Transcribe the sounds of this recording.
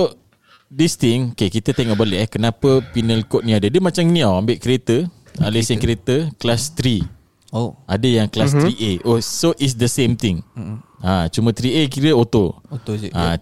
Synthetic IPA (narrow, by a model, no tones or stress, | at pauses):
so | dist̪iŋokekit̪ət̪ɛŋɔʔbaleʔɛhkənapəpinəlkot̪̚niadədəmat͡ʃaminĩawambɪʔkəɾet̪ə | alesənkɾet̪əklast̪ɾi | oadəjaŋklast̪ɾiʔeʔosoʔis̬dəsẽmt̪iŋãt͡ʃumə̃t̪ɾiek̬iɾəot̪oot̪oã